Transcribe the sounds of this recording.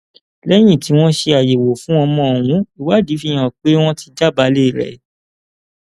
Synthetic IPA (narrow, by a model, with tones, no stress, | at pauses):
lɛ˦j̃ĩ˦˨ti˨˦w̃ɔ̃˦ʃe˧a˨je˨wo˨fũ˨˦ɔ˧mɔ̃˧˨w̃ũ˨˦i˨wa˨˦di˨˦fi˦˧˦j̃ã˨k͡pe˨˦w̃ɔ̃˦ti˧d͡ʒa˦˨ba˨˧˦le˦˨ɾɛ̰˨